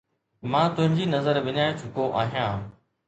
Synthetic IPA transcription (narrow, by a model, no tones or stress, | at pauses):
mãːt̪ʊ̃ɦɪ̃ɲd͡ʑiːnɐzəɾbɪɲaːjõt͡ɕʰʊkoʔaːɦijãː